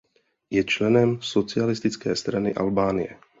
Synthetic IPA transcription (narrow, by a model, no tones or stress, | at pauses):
jɛt͡ʃlɛnɛmsot͡sɪalɪst̪ɪt͡skɛːst̪ɾanɪʔa̰lbaːnɪjɛ̰